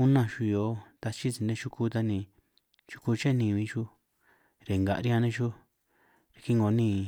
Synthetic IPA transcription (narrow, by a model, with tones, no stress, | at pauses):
u˦nã˦˧˨ʃu˧jo˧˦t̪a˧t͡ʃi˦t͡si˨˧nẽ˧˦˧t͡ʃu˦ku˧˦t̪a˧nĩ˧ | t͡ʃu̥˦ku˧t͡ʃe˦nĩ˧βĩ˧˦t͡ʃu˦ | ɾe˨ŋɡa̰˨ʔɾi˦ã˧nẽ˧˦ʃu˦ | ɾe˨˧ki˦ŋɡo˨˦nĩ˦˧˨